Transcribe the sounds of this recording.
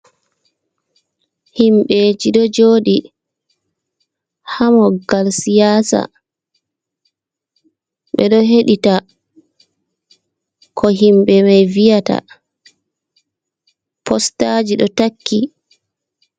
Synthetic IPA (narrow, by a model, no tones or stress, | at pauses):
himɓed͡ʒiɗɔd͡ʒoːɗi | hamɔɡalsijaːsa̰ | ɓɛɗɔɦeɗita | kʰɔɦimɓɛmajvijata̰ | pɔstad͡ʒiɗɔtakʰːi